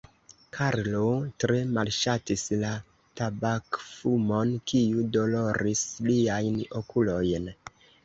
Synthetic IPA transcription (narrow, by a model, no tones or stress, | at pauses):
kʰaɾlotɾe̞malʃatisla | tabakfumo̞nkiudo̞lo̞ɾisliajno̞kʰulo̞jn